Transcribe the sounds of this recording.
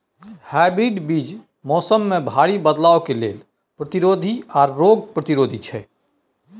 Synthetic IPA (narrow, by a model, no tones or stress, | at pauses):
haːɪbɾiːɖbiːd͡ʒ | mɔːsəmːẽbʱaːɽibəd̪laːokelḛːl | pɾət̪ɪɾoːd̪ʱiɔːɾːoːɡpɾət̪ɪɾoːd̪ʱit͡ʃʰɛː